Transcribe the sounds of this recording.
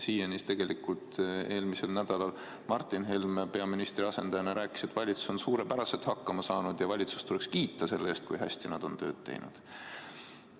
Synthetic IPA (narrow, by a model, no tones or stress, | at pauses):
siːjenist̪e̞ɡ̥e̞likult̪e̞ːlmise̞lnæd̪̥ɑlɑl | mɑrt̪ːˑinɦelmpe̞ɑminist̪ɾiɑse̞nd̪ɑjɑnɑɾʔæːkːˑi̥set̪ːˑvɑlʲit̪su̥so̞nsuːɾe̞pæɾɑse̞t̪hɑkːɑmɑsɑːnud̪̥jɑvɑlʲit̪su̥st̪ule̞kskiːt̪ːˑɑse̞lːeeːst̪̚kujɦæ̰sʲt̪inɑd̪̥o̞nt̪ø̞̰ːd̪̥t̪ḛjnṵd̪̥